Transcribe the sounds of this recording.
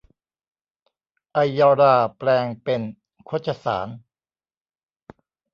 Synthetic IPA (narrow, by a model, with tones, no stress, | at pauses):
ʔa˧jːɔː˧ɾaː˧˩plɛː˧ŋpe˧n | kʰo˦˥t̪̚t͡ɕʰa˧sa̰ː˩˦n